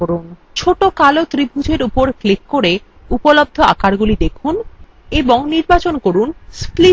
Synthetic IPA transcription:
oɾun | t͡ɕʰoʈokalot̪ɾibʱud͡ʑʱeɾupoɾklikːoɾe | upolob̚d̪ʱoa̰kaɾɡulid̪ekʰun | eboŋniɾbat͡ɕonkoɾunspli

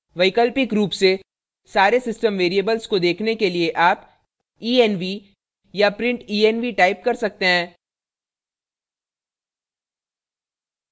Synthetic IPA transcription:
ʋɐɪkəlpɪkɾuːpse | saːɾesɪsʈəmʋeːɾijəbəlskod̪eːkʰnekelieʔaːp | iːɛnʋi | japɾɪ̃ɳʈiːɛnʋiʈaːɪp̚kɐɾsɐk̚t̪eɦɛ̃ː

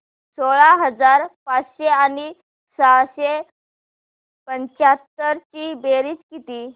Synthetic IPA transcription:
soɭaɦəd͡zaɾpat͡sɕeani | saɕe | pəɲt͡ɕat̪ːəɾt͡ɕiːbeɾiːt͡skit̪iː

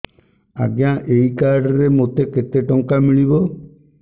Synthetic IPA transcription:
a̰ɡjãʔejkaɾɖɔɾemot̪eket̪eʈɔŋkamiɭibɔ

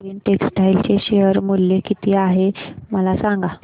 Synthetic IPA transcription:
ənʈeksʈailt͡ɕeɕejəɾmulːekit̪iːaɦeməlasaŋɡa

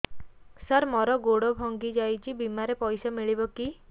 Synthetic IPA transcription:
saɾmɔɾɔɡoɽɔbʱɔŋɡid͡ʒajt͡ʃʰibimaɾepɔjsamiɭibɔki

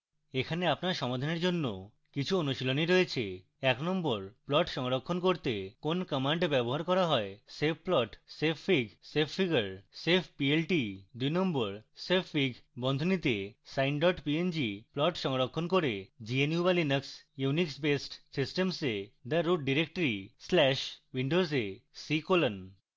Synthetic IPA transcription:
ekʰaneapnaɾʃɔmad̪ʱaneɾd͡ʑonːo | kit͡ɕʰuonuʃiloniɾoet͡ɕʰe | ɛknɔmboɾplɔʈʃɔŋɾokʰːonkoɾt̪ekonkɔmaɳɖbɛboɦaɾkɔɾaɦɔesepʰplɔʈsepʰːiɡsepʰfiɡaɾsepʰpielʈid̪ujnɔmboɾsepʰːiɡʱbɔnd̪ʱonit̪esajnɖɔʈpiend͡ʑiplɔʈʃɔŋɾokʰːonkoɾed͡ʑienijubalinəksjuniksbesʈsisʈemsed̪əɾuɖ̚ɖiɾek̚ʈəɾislɛʃwiɳɖosesikolən

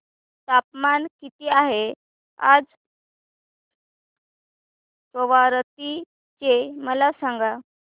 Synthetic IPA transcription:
t̪apmankit̪iːaɦe | a̰d͡z | poʋaɾt̪i | t͡ɕeməlasaŋɡa

